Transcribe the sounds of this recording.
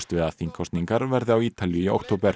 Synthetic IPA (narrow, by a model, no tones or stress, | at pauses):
st̪vɪðaθiŋkʰɔst̪niŋkaɾvɛɾðɪawiːt̪aljʏio̰wk̚t̪ʰoːwpɛɾ̥